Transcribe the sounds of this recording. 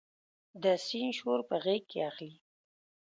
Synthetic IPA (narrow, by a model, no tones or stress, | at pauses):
d̪əsinʃoɾpəɣekːḛaxli